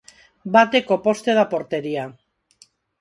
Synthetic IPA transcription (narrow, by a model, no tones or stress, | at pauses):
bat̪e̞ko̞po̞st̪e̞ðapo̞ɾt̪e̞ɾia